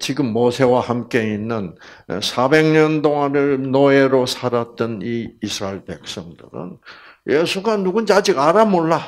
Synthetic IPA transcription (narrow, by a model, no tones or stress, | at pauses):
t͡ɕiɡɯmːosʰe̞wahamk͈e̞inːɯn̰sʰabe̞ŋɲʌntoŋanɯɭnoeɾosʰaɾat̚t͈ɯniːsʰɯɾaiɭpe̞k̚s͈ʌŋdɯ̰ɾɯ̰n | jesʰuɡanuɡund͡ʑad͡ʑiɡaɾamoɭːa